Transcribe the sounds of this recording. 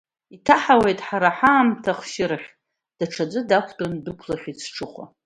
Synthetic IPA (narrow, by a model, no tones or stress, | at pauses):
itʰaħawe̞jtʼħaɾaħaːmtʰaχʃɪɾχʲ | d̥aʈ͡ʂʰad͡zʷʼɨdakʷʰtʼondɨkʷʰlaχʲit͡sʰʈ͡ʂʰɨχʷa̰